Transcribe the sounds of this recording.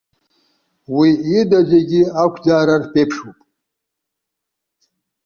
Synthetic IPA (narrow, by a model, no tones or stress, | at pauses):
wiːdad͡ʒeɡʲiakʷʰdaːɾarpʼepʰʂupʼ